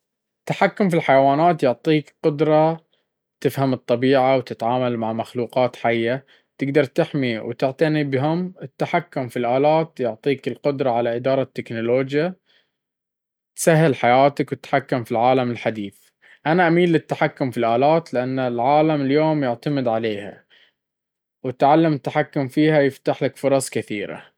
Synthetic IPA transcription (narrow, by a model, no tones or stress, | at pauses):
ʔɪt̪ːaħakːʊmfilħajawaːnaːt̪jʊʕt̪ˤiːkqʊd̪ɾˤɑ | t̪ɪfhamɨt̪ˤːɑbiːʕawt̪ɪt̪ʕaːmalmaʕmaxluːqɑːt̪ħajːa | t̪ɪɡd̪ɑɾˤt̪ɪħmiwt̪ɪʕt̪ˤanibɦʊmɪt̪ːaħakːʊmfilʔaːlaːt̪jʊʕt̪ˤiːkɪlqʊd̪ɾˤɑʕalaʔɪd̪ɑːɾˤɑt̪ːɪknʊloːd͡ʒja | t̪saɦːɪlħajaːt̪akwɪt̪ħakːʊmfilʕaːlamɪlħad̪iːθ | ʔanaʔamiːnlːɪt̪ːaħakːʊmfilʔaːlaːt̪lɪʔanːlʕaːlamɪljoːmjɪʕt̪amɪd̪ʕaleːha̰ | wɪt̪ʕalːamɪt̪ːaħakːʊmfiːhajɪft̪aħlakfʊɾˤɑsˤkɪθiːɾa̰